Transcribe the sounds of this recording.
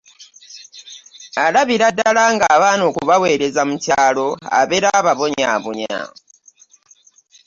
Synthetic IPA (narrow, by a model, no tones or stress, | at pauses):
alaβiɾadːalaːŋɡaːβaːno̞ːkuβawe̞ːɾe̞zamucaːlo̞a̰βe̞ɾaːβaβo̞ɲa̰ːβoɲa̰